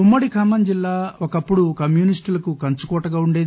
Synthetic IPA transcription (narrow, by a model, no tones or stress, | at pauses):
umːɐɽikʰɐmɐnd͡ʒilːaːʔokɐpːuɽukɐmjuːnisʈulɐkukɐnt͡ʃukɔːʈɐɡaːuɳɖeːd̪